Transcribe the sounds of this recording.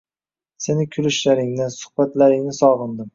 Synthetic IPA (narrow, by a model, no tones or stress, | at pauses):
senɪkʲʰʊlɪʃlaɾɪŋnɪsʊ̥hbat̪laɾɪŋnɪsɒʁɨnd̪ɪm